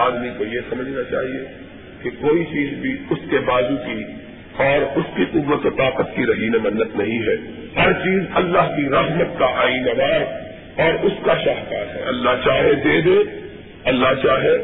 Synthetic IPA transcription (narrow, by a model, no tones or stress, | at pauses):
aːd̪mikojesɐməd͡ʒʱnat͡ʃa̰ːɦie | kekoːit͡ʃiːzbʱiʊskebaːzuki | ɔːɾʊskiqʊbːət̪ot̪aːqət̪kiɾɐɦiːnemɐnːət̪nɐɦĩɦɛː | hɐɾt͡ʃiːzɐlːaːɦkiɾɐɦmət̪kaʔaːiːnɐnaːɾ | ɔːɾʊskaʃaːɦkaːɾɦɛ̰ːɐlːaɦt͡ʃaːɦed̪eːd̪eː | ɐlːaɦt͡ʃaːɦe